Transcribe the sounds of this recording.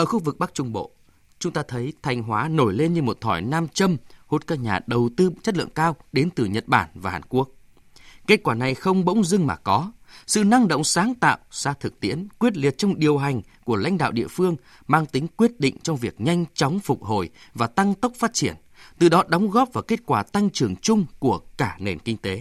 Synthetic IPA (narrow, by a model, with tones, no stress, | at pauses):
ʔəː˧˩xu˧vɨ˨˩k̚ɓa˦˥k̚t͡ɕʊ˧ŋ͡mɓo̰˧˨ | t͡ɕʊ˨˦ŋ͡mt̪aː˧t̪ʰə˨˦jt̪ʰa˧jŋ̟ɦwaː˨˦no˧˩jle˧nɲɨ˧mo˨˩t̚t̪ʰɔ˧˩jnaː˧mt͡ɕə˧mho˦˥t̚kaː˦˥k̚ɲa̰ː˨˩ɗə˨˩wt̪ɨ˧t͡ɕə˦˥t̚lɨ̰˧˨əŋkaː˧wɗe˨˦nt̪ɨ˨˩ɲə˨˩t̚ɓa̰ː˧˩nvaː˨˩haː˨˩nku˦˥ək̚ | ke˦˥t̚kwaː˧˩na˨˩jxə˧wŋ͡mɓə̰˧˥wŋ͡mzɨ˧ŋmaː˨˩kɔ˨˦sɨ̰˧˨na˧ŋɗə̰˧˨wŋ͡msaː˨˦ŋt̪a̰ː˧˨wsaː˧t̪ʰɨ˨˩k̚t̪ḭ˧˥ənkwi˦˥ət̚li˨˩ət̚t͡ɕɔ˧wŋ͡mɗi˨˩əwɦa˨˩jŋ̟ | ku˧˩əla̰˧˥jŋ̟ɗa̰ː˧˨wɗḭ˧əfɨ˧əŋ | maː˧ŋt̪ï˨˦ŋ̟kwi˦˥ət̚ɗḭ̈˧˨ŋ̟t͡ɕɔ˧wŋ͡mvi˨˩ək̚ɲa˧jŋ̟t͡ɕɔ˨˦wŋ͡mfʊ˨˩k͡p̚ɦo˧˩jvaː˨˩t̪a˧ŋt̪ə˦˥wk͡p̚faː˦˥t̚t͡ɕi˧˩ən | t̪ɨ̰˨˩ɗɔ˨˦ɗɔ˨˦wŋ͡mɣɔ˦˥p̚vaː˨˩wke˦˥t̚kwaː˧˩t̪a˧ŋt͡ɕɨ˨˩əŋt͡ɕʊ˧ŋ͡mku˧˩əkaː˧˩ne˨˩nkï˧ŋ̟t̪e˨˦